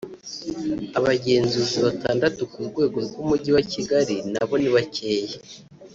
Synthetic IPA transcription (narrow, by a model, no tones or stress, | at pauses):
aβaɟe̞ːnzuːziβataːndatukuɾɡwe̞ːɡo̞ɾɡwumuɟiwaciɡaɾina̰βo̞niβaceːje